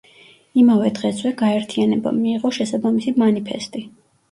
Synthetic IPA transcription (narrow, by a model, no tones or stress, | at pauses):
imavɛd̪ʁɛswɛɡaɛɾt̪ʰianɛba̰miːʁɔʃɛsabamisimanipʰɛ̰st̪ʼi